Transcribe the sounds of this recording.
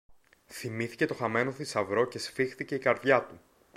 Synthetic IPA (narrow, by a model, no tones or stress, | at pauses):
θimiθice̞t̪o̞xɐme̞no̞θisɐvɾo̞ce̞sfixθice̞ikɐɾðʝɐt̪u